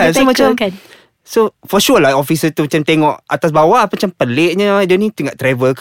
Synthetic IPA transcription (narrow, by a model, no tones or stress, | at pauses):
asomat͡ʃa | sofɔʃulaofisət̪umat͡ʃamt̪eŋɔʔa̰t̪as̬bawaʔmat͡ʃampəleʔɲad͡ʒonĩt̪uŋaʔt̪ɾavək